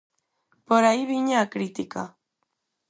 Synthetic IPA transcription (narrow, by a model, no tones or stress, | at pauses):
poɾaiβiɲaːkɾit̪ika̰